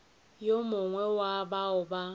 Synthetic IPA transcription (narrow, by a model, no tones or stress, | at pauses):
jomʊŋʷɛwabaʊba